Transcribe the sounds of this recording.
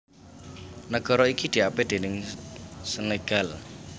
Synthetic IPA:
nəɡ̥ɔ̤ɾɔikid̪̥i̤aped̪̥enɪŋsəneɡ̥al

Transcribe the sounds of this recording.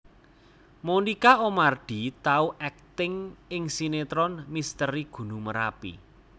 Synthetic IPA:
monikaomard̪̥i̤t̪auʔɛk̚t̪ɪŋɪŋsinet̪ɾɔnmist̪əɾiɡ̥ṳnuməɾa̰pḭ

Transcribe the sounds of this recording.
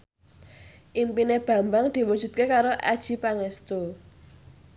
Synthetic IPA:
ʔimpineb̥a̤mbaŋd̪̥i̤wud̥ʒ̥ṳt̪̚kekaɾoʔa̰d̥ʒ̥i̤paŋɛst̪o

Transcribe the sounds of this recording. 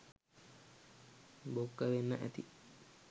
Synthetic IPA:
bokːəʋenːəʔæ̰t̪ḭ

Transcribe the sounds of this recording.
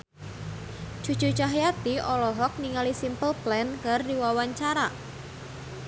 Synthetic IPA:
d͡ʒ̥ṳ̥t͡ʃṳ̥t͡ʃaɦjat̪iʔɔlɔɦɔk̚niŋalisimpəlplɛnkərdiwawaɲt͡ʃaɾa

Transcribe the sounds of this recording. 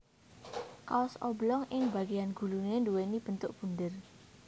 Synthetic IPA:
kasɔ̰blɔŋʔɪŋbaɡianɡulunenduwenib̥ənt̪ʊʔ̚b̥undɪr

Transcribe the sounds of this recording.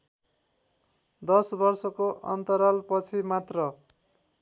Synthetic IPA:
d̪ʌsbʌrsʌkoʔʌ̰nt̪ʌɾʌlpʌt͡sʰimat̪rʌ

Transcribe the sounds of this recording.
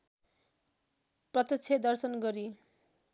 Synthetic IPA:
prʌt̪ʌt͡sʰed̪ʌrsʌnɡʌɾi

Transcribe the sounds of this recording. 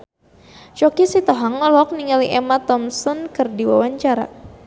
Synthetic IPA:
t͡ʃɔkisit̪ɔɦaŋːɔlɔk̚niŋaliʔɛmat̪ɔmsɔnkɨrdiwa̰waɲt͡ʃaɾa̰

